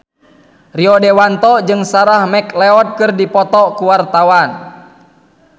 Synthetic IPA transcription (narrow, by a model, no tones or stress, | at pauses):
riɔdɛwant̪ɔd͡ʒɨŋsaɾahmɛklɛɔt̪̚kɨrdipɔt̪ɔkuwart̪awan